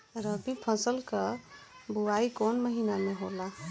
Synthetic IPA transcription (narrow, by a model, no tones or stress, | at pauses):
ɾəbipʰəsəlkəbuaikonməɦinameɦola